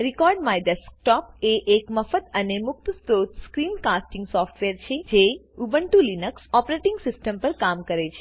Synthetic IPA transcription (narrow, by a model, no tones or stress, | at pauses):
ɾikɔɾɖmajɖəsk̚ʈɔpeʔekməfət̪ənemʊk̚t̪st̪ot̪skɾinkasʈɪ̃ŋɡsɔfʈʋeɾt͡ʃʰed͡ʒe | ubəɳʈũlinəksɔpɾeʈɪŋɡsɪsʈəmpəɾkamkəɾet͡ʃʰe̥